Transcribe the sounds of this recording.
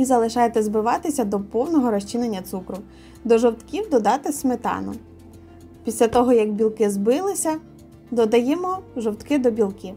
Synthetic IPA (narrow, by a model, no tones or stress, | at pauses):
izɐlˠɪʃɑjet̪ɛzbɪʋɑt̪ɪsʲɐd̪ɔpɔwnɔɦɔɾɔsʲt͡ʃinenʲːɐt̪sukɾʊ | d̪ɔʒɔwt̪kʲiwd̪ɔd̪ɑt̪ɪsmet̪ɑ̰nʊ̰ | pʲisʲlʲɐt̪ɔɦɔjɐɡbʲilˠkɪzbɪlˠɪsʲɐ | d̪ɔd̪ɐjɛmɔʒɔwt̪kɪd̪ɔbʲilˠkʲiw